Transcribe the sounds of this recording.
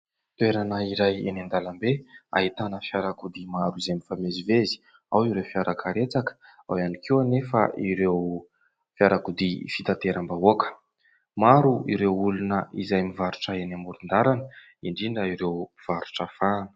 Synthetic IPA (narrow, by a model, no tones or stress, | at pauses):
t̪weɾanəiɾajḛnand̪alambea̰ɦit̪anəfjaɾakud̪imaɾuizemifamezivezi̥ | awiɾewfiaɾʔakʰaɾet͡sakə̥ | a̰wanikʰewanefə̰iɾew | fjaɾakud̪ifit̪at̪eɾambauakə̥ | maɾuiɾewulunəʔizajmivaɾuʈ͡ʂəenamuɾund̪aɾanə | iɳɖ͡ʐiɳɖ͡ʐaiɾewv̥aɾuʈ͡ʂəfaːnə̥